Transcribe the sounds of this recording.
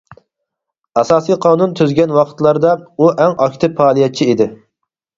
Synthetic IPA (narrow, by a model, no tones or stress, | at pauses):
ɑsɑːsijqʰɑːnunt̪ʰyzɡʲɛnwɑqʰət̪lˠɑɾd̪ɑuʔæŋɑkʲt̪ɨpʰɑːlˠijɛt̪̚t͡ʃʰiːd̪ɪ